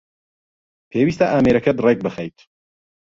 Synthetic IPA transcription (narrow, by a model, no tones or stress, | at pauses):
pʰeːwiːst̪ɐʔaːmeɾɐkɐd̪rek̚bɨxɛjt̪